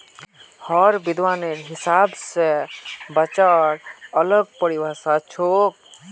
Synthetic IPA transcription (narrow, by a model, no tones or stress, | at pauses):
hɔɾbid̪ʱwaneɾɦisabsebat͡ʃaɾələɡ̚pəɾibasat͡ʃʰok̚